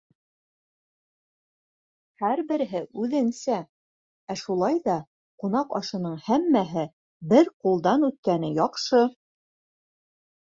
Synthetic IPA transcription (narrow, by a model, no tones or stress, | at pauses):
hæɾbɘ̆ɾɘ̆ɦɘʔʉðɘ̆nsæ | æʃulˠɑjðɑ | qunɑqɑʃɤ̆nɤɴhæmːæɦɘ | bɘɾqulˠd̪ɑnʉt̪̚kænɘjɒqʃɤ